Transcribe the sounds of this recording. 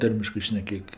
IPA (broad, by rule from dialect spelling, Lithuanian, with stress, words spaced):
ˈtɐrʲmʲɪʃkɜ ʃʲnʲɛˈkʲeːk